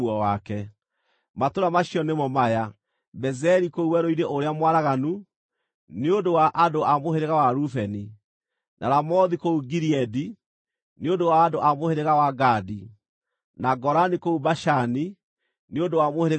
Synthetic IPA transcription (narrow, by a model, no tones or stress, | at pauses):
ɔwakɛ | matoɾamaɕiɔnemɔmaja | bɛzɛɾikouwɛɾoiɾeʔoɾeamwaɾaɣanu | neondowaʔadoʔamoheɾeɣawaɾufɛni | nʔaɾamɔðikouɡiɾiɛdi | nondowaːdoʔamoheɾeɣawaɡadi | naɡɔɾanikoubaʃani | neondowamoheɾe